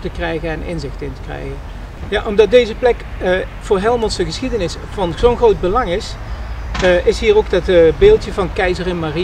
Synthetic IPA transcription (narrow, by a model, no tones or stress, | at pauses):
təkrɛjɣənɛnɪ̰nzɪxtɪntə̥krɛ̰jɣən | jaʔɔmdɑt̚dejzəplɛk | v̥ʊːɹɦɛlˠmɔnsəɣəsχidənɪs | fɔnzownχrowd̚bəlɑŋɪs | ʔɪsɦiːrowkdɑtbeːlˠtjəvɑnkɛjzərɪnmari